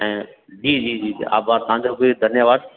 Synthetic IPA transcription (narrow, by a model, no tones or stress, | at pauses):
ɛ̃ː | d͡ʒiːd͡ʑiːd͡ʑḭːa̰ːbaːɾt̪ɐʋãɲd͡ʑoːbɪd̪ʱɐnjəʋaːd̪̚